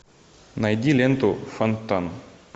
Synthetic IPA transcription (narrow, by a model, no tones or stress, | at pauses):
najd̪ilent̪ufant̪ːan